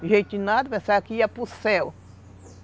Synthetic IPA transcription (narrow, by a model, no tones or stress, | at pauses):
ʒẽjt̪nad̪ɐpẽsakiapusɛw